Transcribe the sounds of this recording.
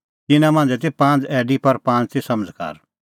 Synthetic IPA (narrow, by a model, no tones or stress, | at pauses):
t̪ɪnãmãːnd͡zɛt̪̬epãːnt͡sɛːɖipɐɾpãːnt̪esɐməd͡zka̰ːɾ